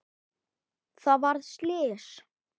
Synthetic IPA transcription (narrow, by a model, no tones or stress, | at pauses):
θaðvaɾðslɪːs